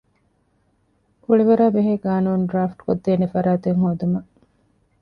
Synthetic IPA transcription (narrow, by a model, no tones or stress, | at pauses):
kuɭiʋɐɾaːbeɦeːɡaːnuːnɖɾaːfʈkod̪ːeːnefɐɾaːt̪eŋhod̪umɐ